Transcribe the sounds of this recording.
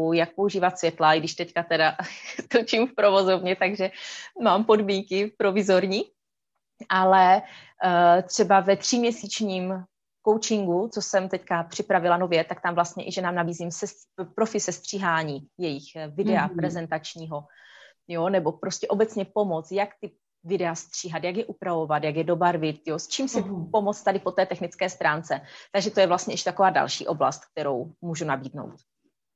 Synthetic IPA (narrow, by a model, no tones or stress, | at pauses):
ujak̚po̞uʒiːvat̪svʲjɛt̪laɡdɪʃt̪ɛckat̪ɛdat̪ot͡ʃimfpɾo̞vo̞zovɲɛt̪aɡʒɛmaːmpo̞dmiːŋkɪfpɾo̞vɪzo̞ɾɲi | ʔalɛ | t̪r̝̥ɛbavɛt̪r̝̥imɲɛsiːt͡ʃɲiːm | ko̞wt͡ʃɪŋɡut͡sosɛmt̪ɛckapr̝̥ɪpɾavɪlano̞vjɛt̪ak̚t̪amvlast̪ɲɛʔɪʒɛnaːmnabiːzimsɛs | pɾofɪsɛst̪r̝̥iːɦaːɲiːjɛjɪxvɪdɛapɾɛzɛnt̪at͡ʃɲiːɦo̞ | jonɛbo̞pɾo̞scɛʔo̞bɛt͡sɲɛpo̞mo̞t͡sjakt̪ɪ | vɪdɛast̪r̝̥iːɦat̪jakjɛʔupɾavo̞vat̪jaɡjɛdo̞baɾvɪt̪̚jost͡ʃiːmsɪpo̞mo̞t͡st̪adɪpo̞t̪ɛːt̪ɛxnɪt͡skɛːst̪ɾaːnt͡sɛt̪aɡʒɛt̪o̞jɛvlast̪ɲɛʔɛʃt̪ako̞vaːda̰lʃḭːʔo̞bla̰st̪̚k̚t̪ɛɾo̞wmuːʒunabiːdno̞̰wt̪